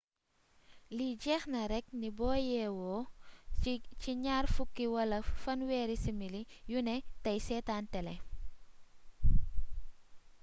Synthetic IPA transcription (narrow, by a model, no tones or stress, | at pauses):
liɟɛːxnɐɾɛk̚nibɔːjɛːwɔː | ciɲaːrfukːiwɐlɐfɐnwɛːɾisimilijunɛtɐjsɛːtaːntɛlɛ